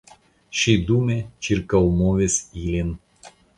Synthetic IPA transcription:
ʃʲid̪umʲet͡ʃiɾkɐlˠmoʋʲesiːlʲin

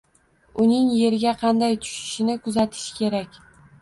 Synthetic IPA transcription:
ʊnɪŋje̞ɾɪɡʲaqʰɑnd̪ajt̪ʰʊ̥ʃɪ̥ʃɪnɪkʊzat̪ʰɪ̥ʃkʲʰe̞ɾakʲ

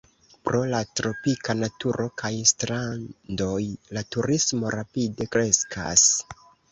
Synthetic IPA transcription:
pɾo̞latɾo̞pikanatuɾʔo̞kʰajstɾando̞jlatuɾismo̞ɾapide̞kɾe̞skʰa̰s

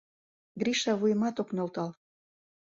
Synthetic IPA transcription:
ɡɾiʃɑβujəmɑt̪oknolt̪ɑl

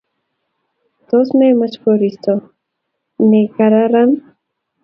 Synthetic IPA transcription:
t̪osmemat͡ʃkoɾist̪o | nekaɾaɾan

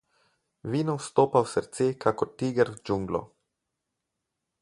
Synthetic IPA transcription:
vinost̪opawseɾt͡sekʰakotiɡeɾd͡ʒuŋɡlo̰

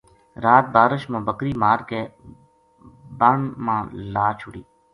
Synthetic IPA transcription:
ɾaːt̪̚baːɾəʃmãːbəkɾiːmaːɾkeː | bəɳmãːlaːt͡ʃʰʊɽiː

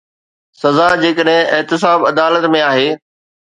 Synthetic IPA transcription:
sɐzad͡ʑeːkəɗɦɪ̃ɪɦt̪ɪs̬aːbɐd̪aːlət̪mẽaːɦeː

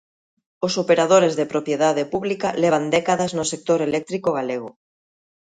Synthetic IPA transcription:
osopeɾað̞oɾezðepɾopjeðaðepuβlikaleβ̞and̪ekaðaznosek̚t̪oɾelek̚t̪ɾikoɣaleɣ̞o

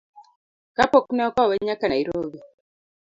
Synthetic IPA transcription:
kapoknɛɔkɔweɲakanaiɾoɡi

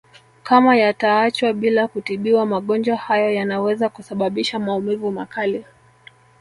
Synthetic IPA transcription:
kamajataat͡ʃwaɓilakutiɓiwamaɠɔnd͡ʒwahajɔjanawɛzakusaɓaɓiʃamaumivumakali

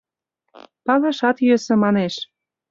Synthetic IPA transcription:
pɑlɑʃɑt̪jøsɤ̆mɑneʃ

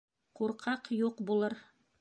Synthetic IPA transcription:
quɾqʰɑqjuqbulˠɤɾ

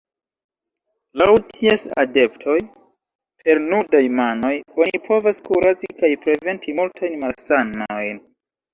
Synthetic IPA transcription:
lawtʰiesa̰de̞ptʰo̞j | pʰe̞ɾnudajmano̞jo̞nipʰo̞vaskuɾad͡zikajpɾe̞ve̞ntʰimultʰajnmalsanojn

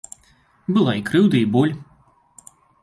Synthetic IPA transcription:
bɨlˠaikɾɨwd̪ɐibɔlʲ

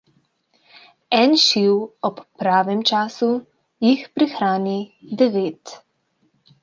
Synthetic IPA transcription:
ɛnʃiwɔpːɾaːʋɛmt͡ʃaːsu | jixpɾixɾaːnid̪ɛʋeːt̪

